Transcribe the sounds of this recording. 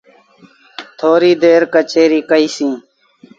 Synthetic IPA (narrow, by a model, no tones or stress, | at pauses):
t̪ʰoːɾiːd̪eːɾkət͡ʃeːɾiːkəiːsĩː